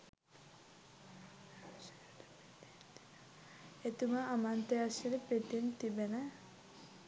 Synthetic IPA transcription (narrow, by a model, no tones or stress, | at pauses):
et̪umaʔːmant̪easiɾepet̪int̪ibena